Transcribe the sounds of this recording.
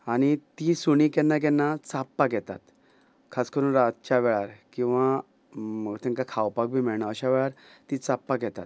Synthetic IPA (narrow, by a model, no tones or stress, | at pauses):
aɽ̃it̪isuɳ̃ikɛnːak̬ɛnːat͡sapːaɡɛt̪a̰t̪ | kʰaskəɾuːnɾat̪̚t͡ɕaʋɛɭaɾkĩw̃ʋã | məɡt̪ɛ̃ŋkakʰawpak̚bʱiːmiɭɳaəɕaʋɛɭaɾt̪it͡sapːaɡɛt̪at̪̚